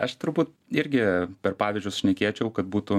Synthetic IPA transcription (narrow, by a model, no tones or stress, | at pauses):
ɐʃt̪ʊɾbuːt̪̚ | ɪɾʲɡʲɪpʲɛrpɑːʋʲɪːzʲd͡ʒʲʊsʃʲnʲɛkʲeːt͡ʃʲɛʊkɐt̪̚buːt̪ʊ